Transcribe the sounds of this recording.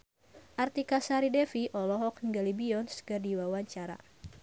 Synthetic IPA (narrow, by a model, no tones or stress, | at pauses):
ʔart̪ikasaɾidɛfiʔɔlɔɦɔkŋɡalibiɔnskɨrdiwawaɲt͡ʃaɾa̰